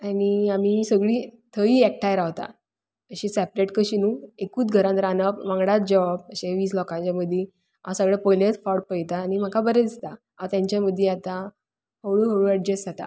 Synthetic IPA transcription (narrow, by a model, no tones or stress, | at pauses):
aɽiamiːsəɡɭiːt̪ʰəiːɛk̚ʈʰajɾaʋt̪a̰ | əɕĩsæpɾeʈkəɕinuːekuːt͡sɡʱəɾãnt̪ɾanəpʋãŋɡɽat̪̚d͡ʑəʋabəɕeʋiːslɔkãɲt͡ɕjaməd̪ʱːje | a̰səɡɭepɔjlet͡sfɔʈ̚pəjt̪aːñim̤əkʰabəɾed̪ist̪a | at̪jaɲt͡ɕjaməd̪ʱːjeat̪a | həɭuːɦəɭuɛɖ̚d͡ʑesd͡zat̪a̰